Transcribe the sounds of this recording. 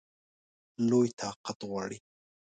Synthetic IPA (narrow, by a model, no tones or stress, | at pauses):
lʊjt̪ʰaqɑt̪wa̰ɽi